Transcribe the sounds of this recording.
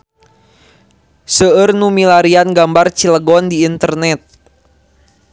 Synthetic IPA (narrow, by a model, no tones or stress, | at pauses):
səərnumilaɾianɡambart͡ʃiləɡɔndiːnt̪ərnɛt̪̚